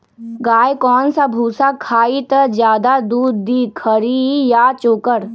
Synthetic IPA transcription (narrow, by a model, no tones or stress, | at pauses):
ɡaːjkɔːnsabʱuːsakʰaːit̪əd͡ʒjaːd̪ad̪uːd̪ːiːkʰəɾijat͡ʃoːkəɾ